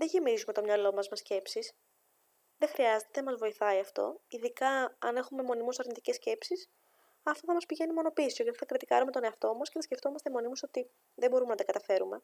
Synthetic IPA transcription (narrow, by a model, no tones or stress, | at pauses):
ðeʝemizume̞t̪o̞mɲɐlo̞mɐzmɐsce̞psis | ðe̞xɾiɐze̞t̪eeɐmɐzvo̞iθɐiɐft̪o̞̰iðikɐɐne̞xume̞mo̞nimusɐɾnit̪ice̞sce̞psis | ɐft̪oθɐmɐspiʝe̞nimo̞no̞pisoʝɐt̪iθɐkɾit̪ikɐɐɾume̞t̪o̞neɐft̪o̞mɐsceθɐsce̞ft̪o̞mɐst̪emo̞nimuso̞t̪i | ðe̞bo̞ɾume̞nɐt̪ɐkɐt̪ɐfe̞ɾume̞̰